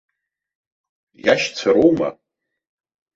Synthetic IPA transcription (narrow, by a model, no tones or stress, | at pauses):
jaʃt͡sʰaɾowma̰